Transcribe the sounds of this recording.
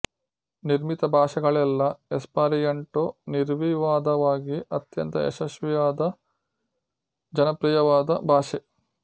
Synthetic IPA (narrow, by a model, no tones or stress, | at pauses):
niɾmit̪ɐbʱaːʃɐɡɐɭɛlːɐespaːɾijɐɳʈoniɾʋiʋaːd̪ɐʋaːɡiʔɐt̪jɐnt̪ɐḛʃɐʃʋijaːd̪ɐ | d͡ʒɐnɐpɾijɐʋaːd̪ɐbʱaːʃe